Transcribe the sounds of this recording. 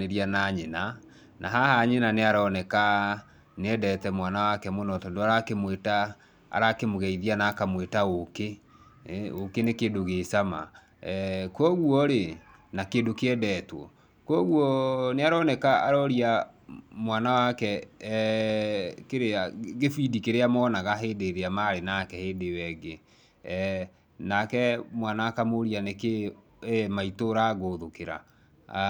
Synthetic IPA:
eɾianaɲena | nʔaɦahaɲenaneaɾɔːnɛka | neɛdɛtɛmwanawakɛmonɔtɔndoaɾakemweta̰ː | ɾakemoɣɛiðianaːkamwetaoke | okenekeːdoɣesama̰ | kɔɣwɔɾe | nakeːndokeɛdɛtwɔ̰ | kwɔɣwɔneaɾɔnɛkaːɾɔɾia | mwanawakɛ | keɾeaɣefidikeɾeamɔnaɣaɦeːdeɾeamaɾenakɛheːdewɛɡe | nakɛmwanakamoɾianeke | maitoɾaɣoðokeɾa̰

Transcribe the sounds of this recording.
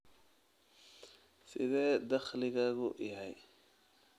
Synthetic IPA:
sɪðɛːd̪ɐχlɪɣɐɣʊjɐɦɛj

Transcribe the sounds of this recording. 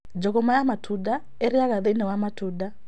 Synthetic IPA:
d͡ʒɔkɔmaamatʰuda | ɛɾiakaðenɛwamatʰuda

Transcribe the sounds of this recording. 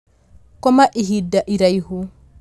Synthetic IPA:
kɔmaʔiɦidːaʔiɾajhu

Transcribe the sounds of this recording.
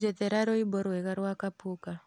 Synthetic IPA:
d͡ʒɛtɛɾaɾɔibɔɾwɛɣaɾwakapuka

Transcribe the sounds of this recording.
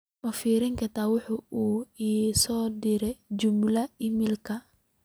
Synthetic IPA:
mɐfiːɾɪŋkʰɐt̪ʰaːwʊħʊuːiːsɔːd̪ɪɾɛjt͡ʃʊmlɐɪmɪlkʰɐ

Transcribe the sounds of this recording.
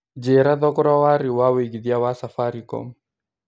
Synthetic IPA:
d͡ʒeɾaðɔkɔɾawaɾiwaweɡiðiawasafaɾikɔ̰m

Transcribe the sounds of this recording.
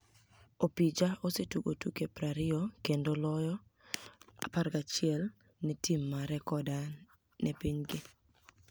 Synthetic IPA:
opid͡ʒaosetuɡotukepɾaɾɪokendolɔjɔ | a̰paɾɡat͡ʃɪɛl | nɛtimːaɾɛkɔda | nʔɛpiɲɡɪ

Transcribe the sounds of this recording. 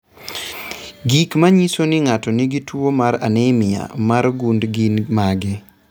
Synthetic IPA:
ɡikmaɲisonɪŋatɔniɡitwomaɾa̰nɛmɪa̰maɾɡundɡinmaɡɪ

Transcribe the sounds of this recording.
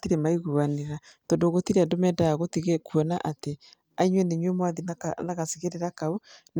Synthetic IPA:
tiɾemaiɣuβaneɾatɔndoɣotiɾeandomɛdaaɣotiɣekuɔnaʔate | aiɲwendeɲwemwaðinaɣasiɣeɾeɾakaun

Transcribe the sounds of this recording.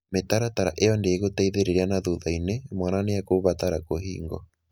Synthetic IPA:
metaɾataɾa̰ʔeɔndeeɣotaiðeɾeɾeanaðuðainemwananeakoβataɾakoɦḭːŋɡɔ̰

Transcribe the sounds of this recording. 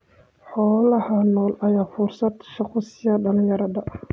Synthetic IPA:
ħɔːlɐhɐnɔːlɐjaːfʊrsɐd̪ʃɑqʊsɪjɐɖɐlɪ̃jɐɾɐðɐ

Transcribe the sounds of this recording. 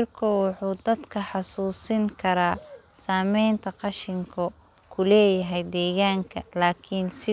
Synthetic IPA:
rkʰʊwɑħuːd̪ɐd̪kʰɐħɑsuːsɪŋkʰɐɾaː | saːmɛjnt̪ʰɐqɑʃɪŋkʰɐ | kʰʊlɛːjɐɦɛjd̪ɛːɣaːŋkʰɐlaːkʰɪnsɪ

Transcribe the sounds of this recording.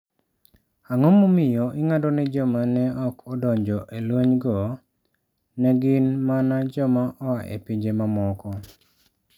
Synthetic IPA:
aŋɔmomɪjɔʔɪŋadɔnɛd͡ʒɔmanɛʔɔkʰɔdɔɲd͡ʒɔʔelwoɲɡɔ | nɛɡɪnmanad͡ʒɔmaʔɔaʔḛpiɲd͡ʒemamɔkɔ

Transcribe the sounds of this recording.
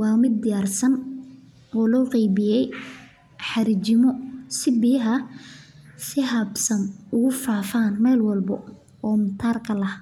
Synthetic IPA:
wɑːmɪd̪̚ːɪjaːrsɐn | ɔːlɔːqɛjbɪjɛj | ħɑɾɪt͡ʃɪmɔsɪbɪjɐɦɐ | sɪɦɐbsɐnʊɣʊfaːfaːnmɛjlwɐlbɐ | ɔːmʊt̪ʰaːrkʰɐlɐh

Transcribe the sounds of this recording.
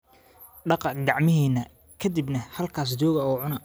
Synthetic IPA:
ɖɑqɑɡɑʕmɪɦiːnɐ | kʰɐd̪ibnɐhɐlkʰaːs̬d͡ʒɔːɣɐɔːʕʊnɐ

